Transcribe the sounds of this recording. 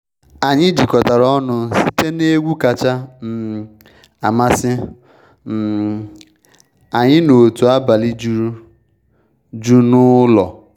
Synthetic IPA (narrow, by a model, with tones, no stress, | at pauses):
a˨ɲɪ˦di˨kɔ˨ta˨ɾɔ˦nʊ˦si˦te˦ne˦ɡʷu˦ka˨t͡ʃa˦m̩˨ | a˨ma˦sɪ˦ | m̩˨ | a˨ɲɪ˦no˨tu˨a˦ba˨li˦d͡ʒu˦ɾu˦ | d͡ʒu˦nʊ˦lɔ˨